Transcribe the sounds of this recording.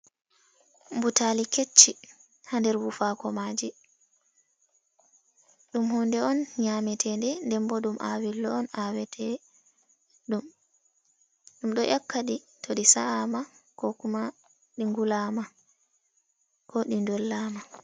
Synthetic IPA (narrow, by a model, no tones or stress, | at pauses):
mbutaliket͡ʃːi | handɛɾwufakɔmad͡ʒi | ɗumhɔndɛɔnɲamɛtʰɛndɛndɛmbɔɗumʔa̰wilːɔːnawɛtʰɛ | ɗum | ɗumɗɔʔakːaɗi | tʰoɗisaamakɔkuma | ɗiŋɡulama | kʰɔɗindɔlːaːma